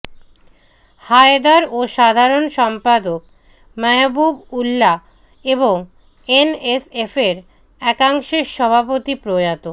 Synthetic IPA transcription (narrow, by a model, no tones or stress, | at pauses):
haed̪aɾoʃad̪ʱaɾonʃɔmpad̪ok | mɛbubulːa | eβoŋ | enesefeɾ | ɛkaŋʃeʃɔbʱapot̪ipɾojat̪o